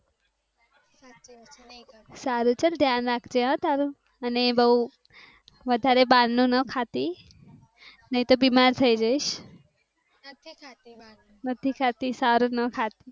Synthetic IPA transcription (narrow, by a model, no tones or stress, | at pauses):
saɾut͡ʃʰəld̪ʱjanɾakʰd͡ʒeɦãt̪aɾũ | ənebəɦu | ʋəd̪ʱaɾebanːũnəkʰat̪i | nəɦĩt̪obimaɾt̪ʰəid͡ʒəjʃ | nət̪ʰikʰat̪isaɾunəkʰat̪i